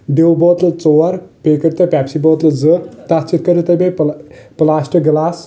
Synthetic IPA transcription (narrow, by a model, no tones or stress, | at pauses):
ɖewbot̪lɨt͡soɐɾpekɐɾt̪ɐpʲapsibot̪lɨd͡zɨt̪at͡ʃʰit̪̚kɐɾit̪ɐbeplasʈɨɡlas